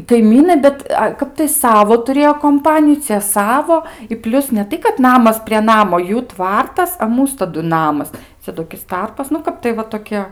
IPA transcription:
kɐɪˈmʲiːnɐɪ ˈbʲɛt ˈkɐp tɐɪ ˈsɑːʋoː tʊˈrʲeːjoː koːmˈpɑːnʲɪjʊ ˈt͡sʲiɛ ˈsɑːʋoː ɪ ˈpʲlʲʊs nʲɛ ˈtɐɪ kɐt ˈnɑːmɐs pʲrʲiɛ ˈnɑːmoː ˈjuː ˈtʋɐrtɐs ɐ ˈmuːs tɐˈdʊ ˈnɑːmɐs ˈt͡sʲɛ toːˈkʲɪs ˈtɐrpɐs nʊ ˈkɐp tɐɪ ʋɐ toːˈkʲiɛ

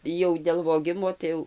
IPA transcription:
jɛʊ dʲeːlˠ ʋoːˈɡʲɪmoː tɐɪ ˈjɛʊ

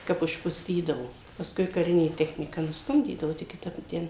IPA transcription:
ˈkɐp ʊʃpʊˈsʲtʲiːdɐʋoː pɐsˈkʊɪ kɐˈrʲɪnʲeː ˈtʲæːxʲnʲiːkɐ nʊsˈtʊmʲdʲiːdɐʋʊ ˈtʲɪk kʲɪˈtɐp ɪ ˈtʲɛn

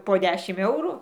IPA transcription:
poː ˈdʲæːʃʲɪm ˈɛʊrʊ

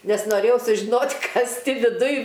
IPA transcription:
ˈnʲɛs noːˈrʲeːjɛʊ sʊʒʲɪˈnoːtʲ ˈkɐs ˈtʲɪ ʋʲɪˈdʊj

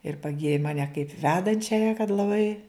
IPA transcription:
ɪr pɐˈɡʲiːrʲɪ ˈmɑːnʲɛ kɐɪp ˈʋʲæːdɐnʲt͡ʃʲɛjɛ kɐt lˠɐˈbɐɪ

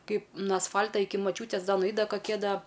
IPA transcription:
ˈkɐɪp ˈnʊ ɐsˈfɐlʲtɐ ˈɪkʲɪ mɐˈt͡ʃʲuːtʲeːs ˈdɐ nʊˈɐɪt dɐ kɐˈkʲiɛ ˈdɐ

